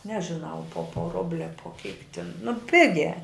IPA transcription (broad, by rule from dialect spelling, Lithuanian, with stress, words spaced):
nʲɛʒʲɪˈnɐʊ poː poː ˈrʊbʲlʲɪ ɐ poː kʲiːk tʲɪn nʊ ˈpʲɪɡʲæː